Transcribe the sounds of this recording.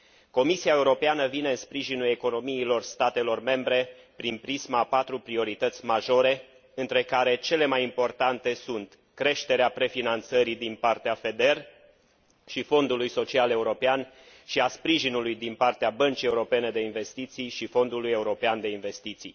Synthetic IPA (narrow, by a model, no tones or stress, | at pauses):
ko̞misiaeuɾo̞peanəvine̞ɨnspɾiʒinule̞ko̞no̞miːlo̞rst̪at̪e̞lo̞rme̞mbɾe̞pɾinpɾizmapat̪ɾupɾio̞ɾit̪ət̪sʲmaʒo̞ɾe̞ | ɨnt̪ɾe̞kaɾe̞t͡ʃe̞le̞majimpo̞rt̪ant̪e̞sunt̪ | kɾe̞ʃt̪e̞ɾeapɾe̞finant̪səɾid̪inpart̪eafe̞d̪e̞r | ʃifo̞nd̪ulujso̞t͡ʃiale̞uɾo̞pean | ʃiaspɾiʒinulujd̪inpart̪eabənt͡ʃie̞uɾo̞pe̞ne̞d̪e̞inve̞st̪it̪sijʃifo̞nd̪uluje̞uɾo̞peand̪e̞inve̞st̪it̪sḭj